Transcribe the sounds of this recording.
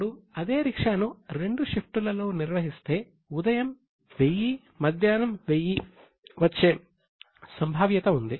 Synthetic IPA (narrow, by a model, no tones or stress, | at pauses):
ɽuɐd̪e̞ːɾikʂaːnuɾe̞ɳɖuʂepʰʈulɐlo̞ːniɾʋɐɦist̪e̞ː | ud̪ɐjɐm | ʋeji | mɐd̪ʱjaːnɐmʋejːi | ʋɐt͡ʃːeː | sɐmbʱaːʋjɐt̪ɐund̪i